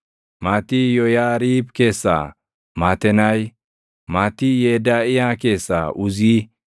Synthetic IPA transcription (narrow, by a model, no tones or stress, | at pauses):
maːt̪ijɔjaːɾiːbke̞ːsːa̰ | maːt̪ɛnɐj | maːt̪ːijeːd̪aːɪjake̞ːsːa̰ʔʊziː